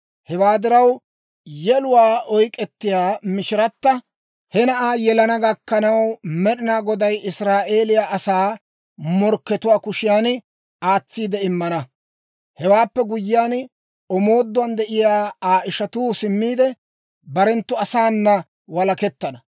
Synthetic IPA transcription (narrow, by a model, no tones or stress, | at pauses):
hɛwaːd̪ɪɾɐw | jɛlʊwaːʔɔjkʼɛt̪ːɪjaːmɪʃɪɾɐt̪ːɐ | hɛnɐʔaːjɛlɐnɐɡɐkːɐnɐwmɛɗɪnaːɡɔd̪ɐjɪsɾaːʔe̞ːlɪjaːʔːsaː | mɔɾkːɛt̪ʊwaːkʊʃɪjaːn | aːt͡sːiːd̪ɛɪmːɐnɐ | hɛwaːpːɛɡʊjːɪjaːn | ɔmo̞ːd̪ːʊwɐnd̪ɛʔɪjaːaːʔɪʃɐt̪uːsɪmːiːd̪ɛ | bɐɾɛnt̪ːʊɐsaːnːɐ | wɐlɐkɛt̪ːɐnɐ